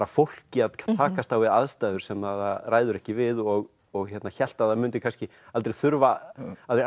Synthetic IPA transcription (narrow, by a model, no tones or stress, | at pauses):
ɾafowl̥cɪaðʰt̪ʰaːkast̪awvɪðaðst̪aːðʏɾ̥sɛmaðaraːjðʏɾɛhcɪvɪðɔɣ | ɔɣçɛt̪naçɛl̥t̪aðamʏnt̪ɪkʰanscɪ | alt̪ɾejθʏɾvaalt̪